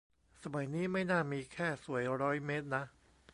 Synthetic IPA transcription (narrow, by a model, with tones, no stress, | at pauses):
sa˧ma˩˦jniː˦˥ma˥˩jnaː˥˩miː˧kʰɛː˥˩su˩˦əjɾɔː˦˥jmeː˦˥t̪̚na˦˥ʔ